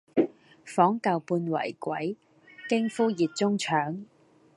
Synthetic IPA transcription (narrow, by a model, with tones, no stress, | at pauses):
fɔː˨˥ŋkɐ˨˧wpuː˧nwɐ̰˨˩jkʷwɐ̰˨˥j | kɪ˥ŋfuː˥jiː˨t̚t͡sʊ˥ŋt͡ʃʰœː˨˥ŋ